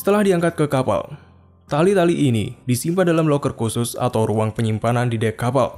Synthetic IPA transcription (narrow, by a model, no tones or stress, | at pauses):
sə̥t̪əlahdiaŋkat̪̚kəkapa̰l | t̪alit̪aliʔːnḭdisimpadalamlɔkərkusʊsa̰t̪awruaŋpəɲimpanandidakːapa̰l